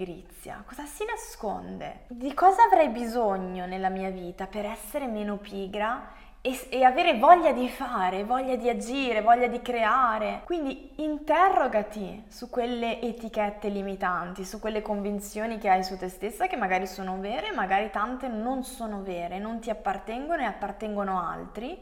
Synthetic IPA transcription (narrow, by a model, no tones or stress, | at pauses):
ɾḭt̪sːja̰kɔːzasinasko̰nd̪ḛd̪ikɔːzaːvɾɛjbizoɲːonelːamiːaviːt̪apeɾɛsːeɾemeːnopiːɡɾa | eeaveːɾevɔʎːad̪ifaːɾevɔʎːad̪iad͡ʒiːɾevɔʎːad̪ikɾeaːɾekwind̪i | int̪ɛrːoɡat̪isukːwelːeʔːt̪ik̟ɛt̪ːelimit̪ant̪isukwelːekoɱvint̪sjoːnikeajsut̪ːest̪esːak̟emːaɡaːɾisoːnoveːɾemaɡaːɾit̪ant̪enonsoːnoveːɾenont̪iapːart̪ɛŋɡonoeapːart̪ɛŋɡonoa̰lt̪ɾi